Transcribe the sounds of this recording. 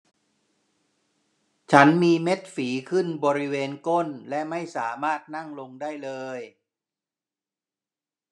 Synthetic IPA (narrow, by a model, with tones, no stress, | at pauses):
t͡ɕʰa˦˥nmiː˧me˦˥t̪̚fiː˩˦kʰɯ˥˩nbɔː˧ɾi˦˥weː˧nko˥˩nlɛ˦˥ʔma˥˩jsaː˩˦maː˥˩t̪̚na˥˩ŋlo˧ŋdaː˥˩jlɤː˧j